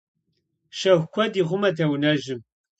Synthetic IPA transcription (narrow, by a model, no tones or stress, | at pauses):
ʃɐxʷkʷʰɐdiːʁʷʊmɐtʰɐwnɐʒɨm